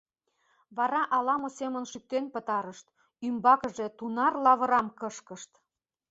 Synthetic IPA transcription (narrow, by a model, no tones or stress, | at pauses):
βɑɾɑʔɑlɑmosemənʃyk̚t̪enpət̪ɑɾəʃt̪ | ymbɑkəʒe̽t̪unɑrlɑβə̆ɾɑmkəʃkəʃt̪